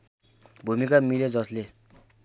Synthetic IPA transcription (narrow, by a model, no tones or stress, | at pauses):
bʱumikamiled͡zʌsle